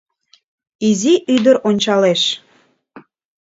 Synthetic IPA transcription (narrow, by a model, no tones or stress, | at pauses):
iziʔyd̪əɾonʲt͡ɕɑleʃ